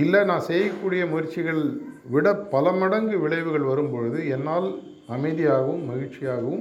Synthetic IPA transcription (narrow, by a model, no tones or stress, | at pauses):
ɪlːɐnãːsɛjːɐkːuːɽɪjɐmʊɣɪɾt͡ʃːɪɣɐɭʋɪɽɐpːɐlɐmɐɽɐŋɡɯʋɪɭɐɪʋɯɣɐɭʋɐɾɯmpɔɻɯðɯɛnːaːl | ɐmɐɪðɪjaːɣɐʋɯmːɐɣɪʈt͡ʃɪjaːɣɐʋɯm